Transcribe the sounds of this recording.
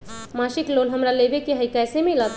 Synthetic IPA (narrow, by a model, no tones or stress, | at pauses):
masiklolɦəmɾalebekeɦəjkajsemilət̪ʰ